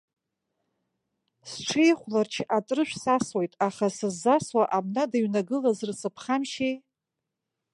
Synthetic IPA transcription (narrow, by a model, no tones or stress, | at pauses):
sʈ͡ʂʰejχʷlart͡ʃʰatʼrɨʃᶣʷsaswojtʼaχasɨzːaswaʔabnadaɥnaɡɨlazɨrsɨpʰχamʃej